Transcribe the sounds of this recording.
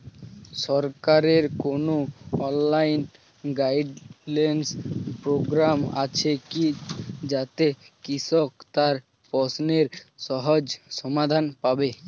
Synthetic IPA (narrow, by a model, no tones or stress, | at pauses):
ʃɔɾkaɾeɾkonoɔnlajn | ɡajɖlanspɾoɡɾama̰t͡ɕʰekid͡ʑat̪ekiʃokt̪aɾ | pɔsneɾʃɔɦod͡ʑʃɔmad̪ʱanpabe